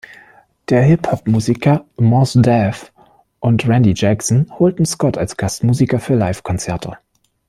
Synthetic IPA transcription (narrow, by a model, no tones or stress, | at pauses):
d̥eːɐɦɪphɔpmuːzikʰɐmɔsdɛf | ʔʊntʁɛndid͡ʒɛksn̩hoːltn̩skɔtʰalsɡ̥astmuːzikɐfyːɐlaɪfkʰɔnt͡sɛɐtʰə̰